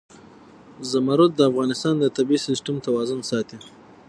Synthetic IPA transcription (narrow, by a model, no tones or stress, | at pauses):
zamaɾʊt̪̚d̪əafɣɑnɪst̪ɑnd̪ət̪abiisɪsʈamt̪awɑzʊnsɑt̪i